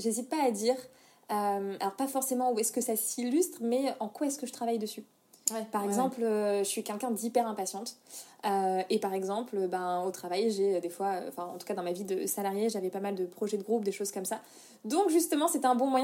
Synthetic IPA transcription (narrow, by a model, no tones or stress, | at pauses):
ʒezit̪̚paːd̪iʁ | øma̰lɔʁpafɔʁsemɑ̃uɛskəsasilyst̪χmɛʔɑ̃kwaɛskəʒət̪χavajd̪əsy | paʁɛɡzɑ̃pløʒəsɥikʲɛlkʲɛ̃d̪ipɛʁɛ̃pasjɑ̃t̪øepaʁɛɡzɑ̃pløbɛ̃ot̪χavajʒeød̪efwaø̰ɑ̰̃fɛ̃ɑ̰̃t̪u̥kad̪ɑ̃mavid̪əsalaʁjeʒavɛpamald̪əpχɔʒɛd̪əɡʁup̚d̪eʃoz̥kɔmsa | d̪ɔ̃kʒyst̪əmɑ̃sɛt̪ɛ̃bɔ̃mwajɛ̃